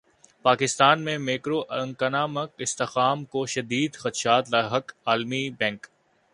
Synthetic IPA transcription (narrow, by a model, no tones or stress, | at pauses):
paːkɪst̪aːnmẽmeːkɾoʔɐ̃ŋkɐnaːmɐkɪst̪exaːmkoʃɐd̪iːd̪xɐt̪ʃaːt̪laɦɐkaːlmibɛ̃ːŋk